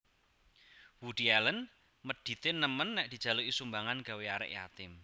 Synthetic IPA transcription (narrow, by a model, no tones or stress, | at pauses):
wuɖ̪̥ialən | məd̥i̤t̪enəmənːɛʔd̪̥i̤̥ʒ̥a̤loʔisumbaŋanɡ̥a̤weaɾɪ̰ʔja̰t̪ɪm